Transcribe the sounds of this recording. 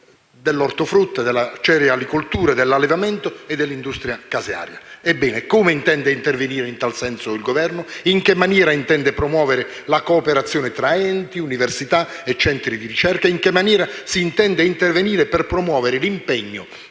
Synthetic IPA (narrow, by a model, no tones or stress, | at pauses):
d̪elːɔrt̪ʊfɾut̪ːad̪ɛlːat͡ʃɛɾjalikult̪uːɾad̪elːalːevamɛnt̪ʊɛd̪ːelːind̪ust̪ɾjakazja̰ːɾjaɛbːɛːnɪkomeint̪ɛnd̪eint̪erveniːɾeint̪alsɛnsʊilɡovɛrnʊiŋkemːanjɛːɾaint̪ɛnd̪epɾomwɔːveɾɪ | lakoːpeɾat̪sːjɔːnɪt̪ɾaɛnt̪iuniversit̪aɛt͡ʃːɛnt̪ɾid̪iɾit͡ʃɛrkaiŋkemːanjɛːɾasiːnt̪ɛnd̪eint̪erveniːɾɪpɛrpɾomwɔːveɾɪlimpɛɲːo